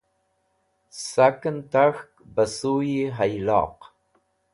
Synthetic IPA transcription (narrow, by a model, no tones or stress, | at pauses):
sakənt̪axkbasujiɦajlɑ̰ːq